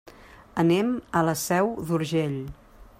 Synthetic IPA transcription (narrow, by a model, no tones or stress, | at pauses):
ənɛmələsɛwðuɾʒeʎ